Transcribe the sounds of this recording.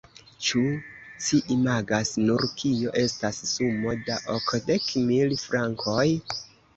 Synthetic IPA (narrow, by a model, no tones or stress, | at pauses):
t͡ʃut͡ʃiʔimaɡasnuɾkʰioʔe̞stasːumo̞daʔokde̞kmilfɾaŋkʰoj